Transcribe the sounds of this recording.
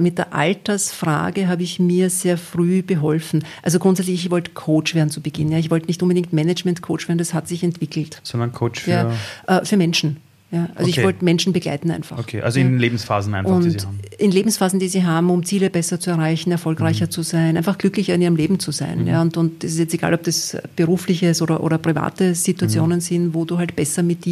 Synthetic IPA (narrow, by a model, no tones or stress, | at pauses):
mɪt̚d̥eːɐʔa̰ltɐsfʁa̰ːɡəɦaːbəɪçmiːɐzeːɐfʁyːɡ̥əɦɔlfn̩ʔalzoɡ̥ʁʊntsɛt͡slɪçççvɔltə̥kʰoːt͡ʃv̥eːɐdn̩t͡subəɡ̥ɪnənjaːɪçvɔltənɪçtʔʊnbədɪŋk̚tmɛnɛd͡ʒmɛntkʰo̰ːt͡ʃveːɐdndashatz̥ɪçɛntv̥ɪkl̩tz̥ɔndɐnkʰoːt͡ʃfjaːɐʔɛːfyːɐmɛnʃn̩ | jaːʔa̰lzoɪçvvɔltmɛnʃn̩bəɡla̰ɪtn̩æ̰ɪnfa̰okʰḛʔa̰lzoɪnleːbm̩sfa̰ːzn̩ʔæ̰nfʊnnimʔɪnleːbm̩sfaːzn̩diːziːɦaːbm̩ʊmt͡siːləbɛsɐt͡suɛɐʁaɪçn̩ɛɐfɔlkʁaɪçɐt͡suzaɪnʔæɪnfaχɡ̥lʏklɪçɐɪniːʁəmleːbm̩t͡suza̰ɪnja̰ːʊntʊntd̥ɛsɪstjɛt͡steɡ̥a̰ːlɔp̚d̥asb̥əʁuːflɪçəsoːɾɐʔo̰ːɾɐpʁ̥iva̰ːtəz̥ituat͡sjoːnənzɪnvoːduːɦaltb̥ɛsɐmɪt̚d̥iː